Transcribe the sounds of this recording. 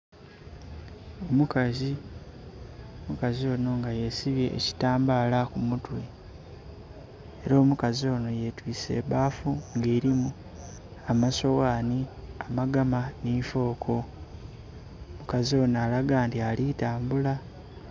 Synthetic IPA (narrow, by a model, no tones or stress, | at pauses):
omukazi | omukazio̞ːno̞ŋɡajesiβje̞̰ʔːci̥taːmbaːlakumutwe̞ | ɾoːmukazio̞ːno̞je̞twiːse̞̰ːβaːfuŋɡeːɾimu | amaso̞waːniamaɡamaniːfo̞ːkʰo̞ | mukazio̞ːnaːlaɡaːntialitaːmbula